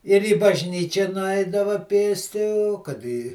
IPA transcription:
ɪr iː bɐʒʲˈnʲiːt͡ʃʲɛ nʊˈɐɪdɐʋɐ ˈpʲeːsʲtʲɪ oː kɐt ɪ

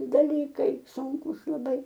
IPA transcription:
dɐˈlʲiːkɐɪ ˈsuːŋkuːs lˠɐˈbɐɪ

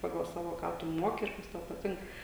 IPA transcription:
ˈpɑːɡɐlˠ ˈsɑːʋoː ˈkɑː tʊ ˈmuɔkʲɪ ɪr ˈkɐs tɐʊ pɐˈtʲɪŋk

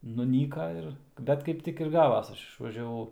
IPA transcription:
nʊˈnʲiːkɐ ˈɪr ˈbʲɛt kɐɪp ˈtʲɪk ɪr ˈɡɑːʋɐs ˈɐʃ ɪʃʋɐʒʲɛˈʋɐʊ

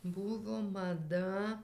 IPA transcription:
ˈbuːʋoː mɐˈdɐ

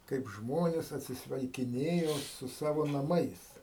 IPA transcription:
ˈkɐɪp ˈʒmoːnʲeːs ɐtʲsʲɪsʲʋʲɛɪkʲɪˈnʲeːjoː sʊ ˈsɑːʋoː nɐˈmɐɪs

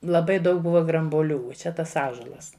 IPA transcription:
lˠɐˈbɐɪ ˈdɐʊk ˈbʊʋɐ ɡrɐmbuɔˈlʲuː uɔ ˈt͡ʃʲɛ ˈtɐs ˈɑːʒuɔlˠɐs

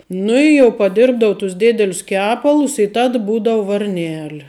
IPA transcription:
ˈnʊ ɪ jɛʊ pɐˈdʲɪrbdɐʋʊ tʊs ˈdʲeːdʲɛlʲʊs ˈkʲæːpɐlˠʊs ɪ ˈtɐt ˈbuːdɐʋʊ ʋɐrʲˈnʲæːlʲɪ

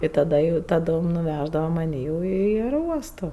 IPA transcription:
ɪ tɐˈdɐ jɛʊ tɐˈdoːm nʊˈʋʲæʒdɐʋɐ mɐˈnʲiː jɛʊ ɪ ɐɛroːˈuɔstoː

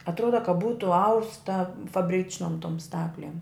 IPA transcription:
ɐtˈruɔdɐ kɐ ˈbuːtʊ ˈɐʊstɐ fɐbʲˈrʲɪt͡ʃnoːm toːm ˈstɑːklʲeːm

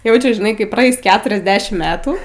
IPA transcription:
ˈjɛʊt͡ʃʲʊ ʒʲɪˈnɐɪ kɐɪ prɐˈɛɪs ˈkʲæːtʊrʲɛzʲˌdʲæːʃʲɪm ˈmʲæːtuː

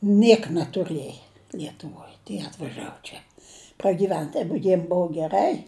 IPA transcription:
ˈnʲiɛk nʲɛtʊˈrɘjɛ lʲiɛtʊˈʋoːj tʲiɛ ɐtʋɐˈʒɑːʋʊ ˈt͡ʃʲɛ prɐɡʲiːˈʋʲɛnt tɐɪp ɡʲɪ ˈbʊʊ ɡʲɛˈrɐɪ

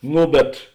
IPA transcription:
ˈnoː bʲɛt

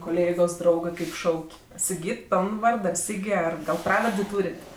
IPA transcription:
koːˈlʲeːɡoːs ˈdrɐʊɡɜ ˈkɐɪp ˈʃɐʊkʲ sʲɪˈɡʲiːt ˈpʲoːlˠn ˈʋɐrt ɡɐlˠ ˈsʲiːɡʲɪ ˈɡɐlˠ ˈprɑːʋɐrʲdʲeː ˈtuːrʲeːtʲ

